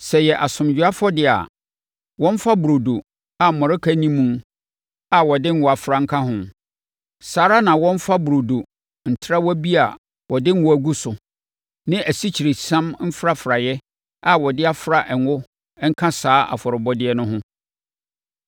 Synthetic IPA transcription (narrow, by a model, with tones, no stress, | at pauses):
sɛ˨jɛ˨ʔa˨sʊ̃˨md͡ʑᶣʊ˨˦a˦fɔ˦dɪ˦a̰˨ | wɔ̃˦m˦fa˦bu˨ɾo˨do˨ | a˨mɔ̃˨ɾɪ˦kʰæ˦nĩ˦mːũ˦m | a˨wɔ˨dɪ̃˦ŋ̩˦wɔ˨a˨fɾa˦ŋ̩˦kʰã˦ɦʊ̃˨ | saː˨ɾa˦nã˨wɔ̃˦m̩˦fa˦bu˨ɾo˨do˨ | n̩˨tʰɪ˦ɾa˦wɔ˦bi˦a˨ | wʔɔ˨dɪ̃˦ŋ̩˦wʊ˦æ˨ɡu˦sʊ˨ | nɪ̃˦æ˨si˦t͡ɕʰi˨ɾe˨sã˦mm̩˦fɾa˦fɾa˨jɛ˦ | a˨wɔ˨dɪ˦a˦fɾa˨ʔɛ˨ŋwʊ˦ | ɛ˦ŋ̩˦kʰã˦saː˨˦ʔa̰˨fɔ˨ɾɪ˨bɔ˦dɪ˦ɛ˦nʊ̃˦ɦʊ̃˦